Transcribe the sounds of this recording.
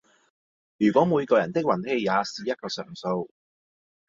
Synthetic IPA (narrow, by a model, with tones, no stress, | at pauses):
jyː˨˩kʷɔː˨˥muː˨˧jkɔː˧jɐ˨˩nt̪ɪ˥k̚wɐ˨˩nhe˧jjaː˨˧siː˨˧jɐ˥t̚kɔː˧sœ̰ː˨˩ŋso˧w